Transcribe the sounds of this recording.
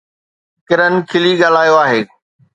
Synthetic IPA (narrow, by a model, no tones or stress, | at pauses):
kɪɾən̆kʰɪliɠaːl̤aːjoaːɦeː